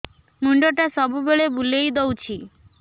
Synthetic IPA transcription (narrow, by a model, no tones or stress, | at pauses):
muɳɖoʈasɔbubeɭebulejd̪owt͡ʃʰi